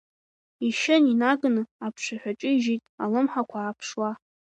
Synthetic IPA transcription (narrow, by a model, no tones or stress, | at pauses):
iʃɪninaɡʼnɨapʰʃʷaħʷᶣat͡ʃʼɨiʒitʼa̰lɨmħakʷʰaːpʰʂwa